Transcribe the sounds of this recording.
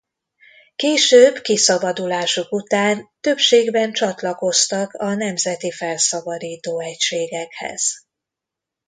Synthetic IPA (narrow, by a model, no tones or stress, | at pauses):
keːʃøːbkisɒbɒd̪ulaːʃukut̪aːnt̪øpʃeːɡbɛnt͡ʃɒt̪lɒko̞st̪ɒkɒnɛmzɛt̪ifɛlsɒbɒd̪iːt̪oːɛcʃeːɡɛkhɛ̰z̥